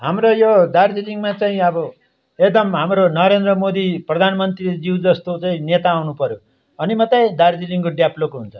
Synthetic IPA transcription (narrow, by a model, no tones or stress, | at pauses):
ɦamrojod̪ard͡ziliŋmat͡saĩʌbʌ | ekd̪ʌmɦamɾonʌɾend̪rʌmod̪iprʌd̪ʱanmʌnt̪rid͡ziwd͡zʌst̪ot͡saĩnet̪aːwnupʌɾjo | ʌnimʌt̪ajd̪ard͡ziliŋkoɖjablokɦunt͡sʰʌ̥